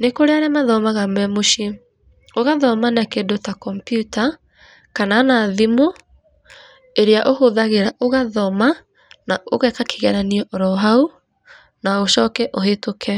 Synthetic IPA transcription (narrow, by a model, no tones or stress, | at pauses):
nekoɾeaɾɛamaðɔmaɣamɛmoʃi | oɣaðɔmanakedotakɔmpjuta | kanaːnaːðimo | eɾeaʔohoðaɣeɾaʔoɣaðɔma | naoɣɛkake̥ɣɛɾaniɔʔoɾɔɦau | naoʃɔːkɛʔoɦetokʰɛ